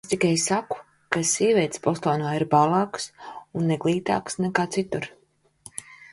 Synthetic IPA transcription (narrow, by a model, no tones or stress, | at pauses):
est̪ikajsaku̥ | kasiːvʲiɛt̪spɔslˠɔːnaːiɾbalˠɑːksunːɛɡlˠiːt̪a̰ːksnɛkaːt̪sit̪uɾ